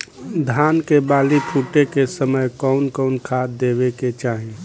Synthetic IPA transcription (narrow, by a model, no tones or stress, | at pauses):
d̪ʱaːnkebaːlipʰuːʈekesəməjkɔʊnkɔʊnkʰaːd̪eːbeket͡ʃaːɦie